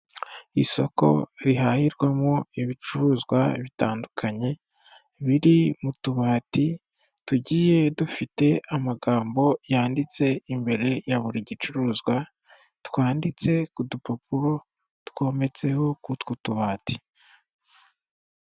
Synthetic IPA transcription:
iso̞̰ko̞̰ɾiɦahiɾɡwamoiβit͡ʃuɾuzɡwaβita̰ːndukʰaɲe̞ | βiɾimutuβaːti | tuɟiːje̞dufite̞amaɡaːmbo̞jaːndit͡se̞imbe̞ɾe̞jaβuɾiɟit͡ʃuɾuzɡwa | twaːndit͡se̞kudupopuɾo̞ | tko̞me̞t͡se̞ho̞kutkutuβaːti̥

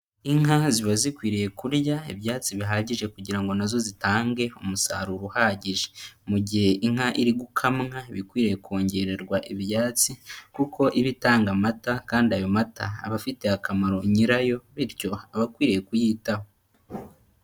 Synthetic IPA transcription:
iŋɦaziβazikwiːɾije̞kuɾjaiβjaːt͡siβiɦaːɟiʒe̞kuɟiɾaŋɡo̞nazo̞zitaːŋɡe̞omusa̰ɾuɾuhaːɟiʒemuɟihe̞ʔiŋ̥haʔiɾiɡukʰamŋaβikwiːɾejeko̞ːɲɟe̞ɾe̞ɾɡwaʔiβjaːt͡sikukʰo̞ʔiβitaːŋɡamatakaːndiajo̞mata̰ːβafite̞akamaɾo̞ɲiɾajo̞βiɾco̞aβakwiːɾije̞kujiːtaho

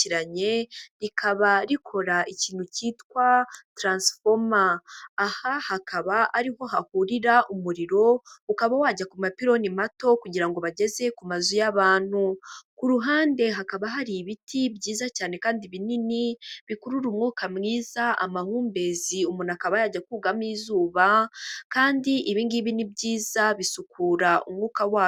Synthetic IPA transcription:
iɾaɲe̞ɾikʰaβaɾikʰo̞ɾaiciːn̥huciːtkwatɾaːnsfomaːhahakʰaβaʔaɾiɦo̞hahuɾiɾaʔumuɾiɾo̞ukaβawaɟakumapiɾo̞nimato̞kuɟiɾaŋɡo̞βaɟe̞ze̞kumazujaβaːn̥hukuɾuɦaːnde̞ɦakaβaɦaɾiβitʰibɟiːzacaːne̞kaːndiβininiβikuɾuɾumŋuːkamŋiːzaʔamahuːmbe̞ziumunakaβajaɟakuɡamiːzuːβakaːndiʔiβiːŋɡiβinibɟiːzaβisukʰuːɾaʔṵmŋuːkawaː

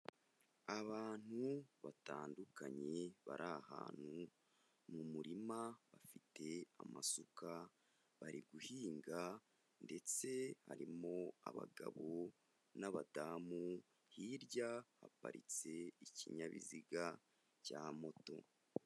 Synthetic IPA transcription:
aβaːn̥huβataːndukaɲe̞βaɾʔaha̰ːn̥hu | mumuɾimaβafite̞amasuka | βaɾiɡuhiːŋɡa | nde̞t͡se̞ha̰ɾimo̞a̰βa̰ɡaβo̞ | naβadaːmu | hiɾɟaha̰pa̰ɾḭt͡se̞iciɲaβḭziɡa | camo̞to̞̰

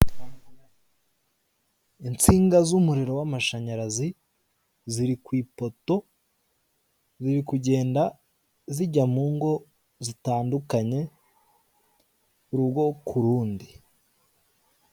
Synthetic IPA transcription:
int͡siːŋɡazumuɾiɾo̞wamaʃaɲaɾazi | ziɾikwiːpo̞to̞ | ziɾikuɟe̞ːnda | ziɟamuːŋɡo̞ | zitaːndukaɲe̞ | uɾubɡo̞kʰuɾuːndi

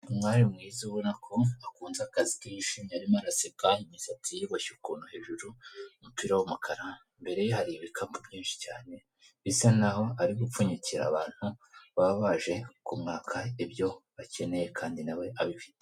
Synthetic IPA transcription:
umŋaːɾimŋiːziuβo̞nakʰo̞akuːnzakazikiiʃimɲiaɾimaɾaseɡaimisatijiβoʃukunuhe̞ːʒuɾumupiːɾawomukʰaɾa | mbe̞ɾe̞johaɾiβikʰambubjiːnʃi̥caːne̞ | βisanaho̞aɾiɡufuɲiciɾa̰ːβaːn̥huβaββaʒe̞kumŋaːkʰaibjo̞βace̞ne̞je̞kʰaːndinawe̞ʔaβifi̥te

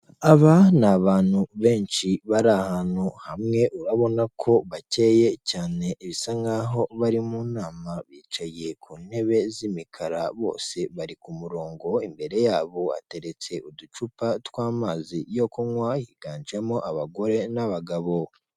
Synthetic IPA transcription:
aβanaβaːn̥huβe̞ːnt͡ʃiβaɾahaːnhuhamŋe̞ʔuɾaβo̞nakʰo̞βace̞ːje̞caːne̞ʔiβisaŋɡaɦo̞βaɾimunaːmaβiːt͡ʃaje̞kʰuːne̞βe̞zimikʰaɾaβo̞̰ːse̞βaɾikumuɾo̞ːŋɡo̞imbe̞ɾe̞jaːβo̞a̰te̞ɾe̞t͡se̞udut͡ʃupatwaːmaːzijo̞koŋwahiɡ̥aːnd͡ʒemo̞ʔaβaɡo̞ɾe̞naβaɡaβo̞

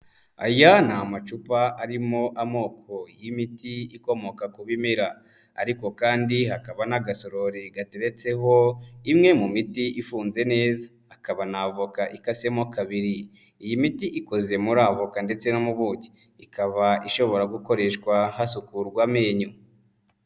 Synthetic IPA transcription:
a̰janaːmat͡ʃupaaɾimo̞ʔamo̞ːkʰo̞jimitiiko̞mo̞kakuβimiɾa | a̰ɾiko̞kaːndihakaβanaɡaso̞ɾo̞ɾiɡateɾe̞t͡se̞ɦo̞imŋe̞mumitiʔifuːnze̞ne̞ːzaːkaβanavokaʔikase̞mokaβiɾi | ijimitiʔiko̞ze̞muɾavokande̞t͡se̞nomuβuɟi̥ | ikaβaʔiʃo̞βo̞ɾaɡuko̞ɾe̞ʃkwaɦasukuɾɡwameːɲu

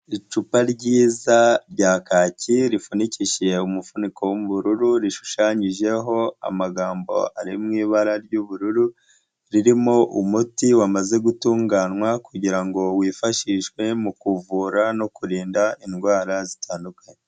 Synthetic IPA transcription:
it͡ʃupaɾɟiːzaɾɟaːkaːciɾifuniciʃe̞umufuniko̞womuβuɾuɾuɾiʃu̥ʃaːɲiʒe̞ɦo̞a̰maɡaːmbo̞̰aɾimŋiːβaɾaɾɟuβuɾuɾu | ɾiɾimoʔumutiwamaze̞ɡutuːŋɡanwakuɟiɾaŋɡo̞wiːfaʃiːʃkwe̞mukuvuːɾano̞kuɾiːndaʔinɡwaːɾazitʰaːndukaɲe

